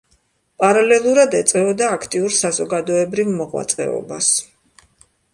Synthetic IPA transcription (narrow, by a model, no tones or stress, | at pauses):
pʼaɾalɛlˠuɾad̪ɛt̪sʼɛɔd̪aːkʰt̪ʼiuɾsazɔɡad̪ɔɛbɾivmɔʁwa̰t̪sʼqʼɛ̰ɔ̰bas